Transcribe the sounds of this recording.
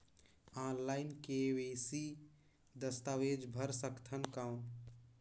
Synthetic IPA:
aːnlaɪnkeʋesi | d̪əst̪aʋeːd͡ʒbʱəɾsəkt̪ʰənkaʊ̃n

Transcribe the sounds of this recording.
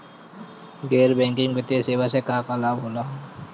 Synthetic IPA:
ɡeːɾbɛ̃ːŋkɪ̃ŋɡbɪt̪eseːʋasekaːkalaːbɦoːlaːɦ

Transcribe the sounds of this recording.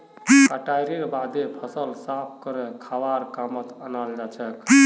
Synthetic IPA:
kəʈajɾiɾbad̪epʰəsəlsapʰkəɾekʰawaɾkamət̪ənald͡ʒat͡ʃʰɛk

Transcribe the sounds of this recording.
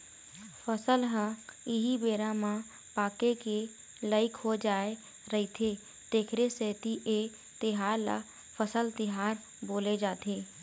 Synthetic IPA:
pʰəsəlɦə̃ɪɦibeːɾamã | paːkeke | ləɪkɦod͡ʒaːe | ɾəɦɪt̪ʰe | d̪̥eːkʰɾeseːt̪iʔe | t̪ɪɦaːɾla̰ | pʰəsəlt̪ɪɦaːɾ | boːled͡ʒaːt̪eː

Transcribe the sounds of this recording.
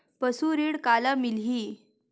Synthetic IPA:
pəsuːɾiɽkalamilɦiː

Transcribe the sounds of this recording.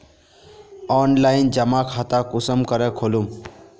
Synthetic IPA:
ɔnlaind͡ʒəmakʰat̪akusəmkəɾɛkʰolum

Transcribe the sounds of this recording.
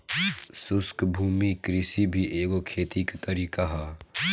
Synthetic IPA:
sʊskbʱuːmikɾɪsibʱiʔeːɡokʰeːt̪ikt̪ɐɾiːkaɦaː

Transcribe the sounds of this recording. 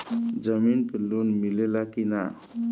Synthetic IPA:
d͡ʒəminpilːunmilelakina

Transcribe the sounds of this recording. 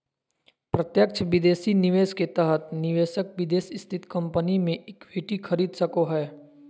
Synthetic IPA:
pɾət̪jək̚t͡ʃʰʋɪd̪eːsinɪʋeːʃket̪ɛɦət̪nɪʋeːʃək̚ʋɪd̪eːsɪst̪ʰɪt̪kɐ̃mpənimẽʔeːkbʱiːʈixʰɐɾiːd̪səkoɦɛː

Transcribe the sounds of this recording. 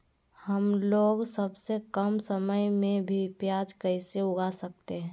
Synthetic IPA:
həmloːɡsəbsekəmsəməjmẽbʱipjaːd͡ʒkəɪseʊɡasək̚t̪eɦɛ̃ː

